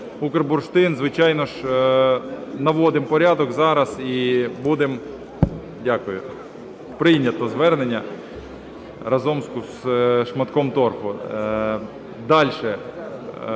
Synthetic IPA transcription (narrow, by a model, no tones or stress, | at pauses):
ukerbʊrʃt̪ɪnzʋɪt͡ʃɑjnɔʃ | nɐʋɔd̪ɪmpɔɾʲɑd̪ɔkzɑɾɐzibud̪em | dʲɑkʊjʊ | pɾɪjnʲɐt̪ɔzʋɛrnenʲːɐ | ɾɐzɔmsʲkʊzʃmɐt̪kɔmt̪ɔrpʊ | d̪ɑlʲʃɛ